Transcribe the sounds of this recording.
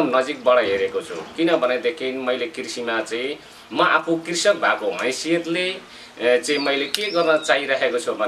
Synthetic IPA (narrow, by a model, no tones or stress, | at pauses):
mnʌd͡zik̚bʌɽʌɦeɾekot͡sʰṵkinʌbʱʌned̪ekʰinmʌjlekirsimat͡saĩ | mʌʔapʰokirsʌk̚bʱakoɦʌ̰̃j̃siet̪le | t͡sãĩmʌjlekeɡʌrnʌt͡saɦiɾʌɦekot͡sʰʌbʱʌn